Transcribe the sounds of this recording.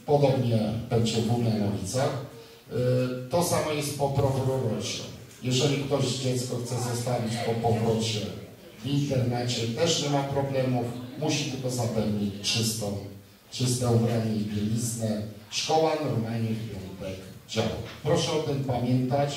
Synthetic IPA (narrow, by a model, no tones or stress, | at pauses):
pɔd̪ɔbɲɛpɛwd͡ʑɛɡuvɲanɔvʲit̪sax | t̪ɔsamɔjɛst̪̚pɔpɾɔkuɾɔɾɔʂɛ̰ | jɛʐɛlʲikt̪ɔʑd͡ʑɛt̪skɔxt̪sɛzɔst̪avʲit͡ɕpɔpɔvɾɔt͡ɕɛ | vint̪ɛɾnɛt͡ɕɛt̪ɛʂɲɛmapɾɔblɛmufmuɕit̪ɘlkɔzapɛvɲit͡ɕt͡ʂɘst̪ɔ̃w̃ | t͡ʂɘst̪ɛɔbɾaɲɛibʲɛlʲiznɛʂkɔwanɔɾmalɲɛfʲɛnt̪ɛkd͡ʑa̰wa̰kpɾɔʂɛɔt̪ɘmpamʲjɛnt̪at͡ɕ